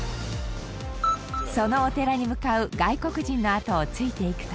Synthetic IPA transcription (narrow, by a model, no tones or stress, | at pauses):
so̞no̞ːt̪e̞ɾaɲ̟imɯ̟kaɯ̟ɡaiko̞kɯ̟ʑĩnːo̞at̪o̞ːt͡sɨit̪e̞ikɯ̟̥t̪a